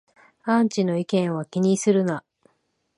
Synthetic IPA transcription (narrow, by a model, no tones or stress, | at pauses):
ãɲ̟t͡ɕino̞ikẽ̞ɰ̃βakʲiɲ̟isɨɾɯ̟na